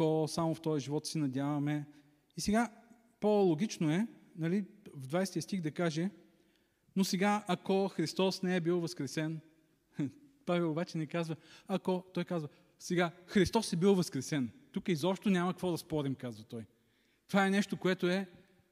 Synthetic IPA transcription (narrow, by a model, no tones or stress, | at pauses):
kosamoft̪ɔjɐʒivɔt̪sɛnɐd̪ʲjavɐmɛ | isɛɡa | polˠoɡʲit͡ʃnoɛnɐlivd̪vajst̪ʲijəst̪ixd̪ɐkaʒɛ | nosɛɡaɐkoxɾist̪ɔsnɛɛbilˠvɐskɾɛsɛn | pavɛlˠobat͡ʃɛnɛkazvəɐkot̪ɔjkazvɐ | sɛɡaxɾist̪ɔsɛbilˠvɐskɾɛsɛnt̪ukəizɔpʃt̪onʲamɐkəkvɔd̪ɐspɔɾimkazvɐt̪ɔj | t̪ovaɛnɛʃt̪okoɛt̪oɛ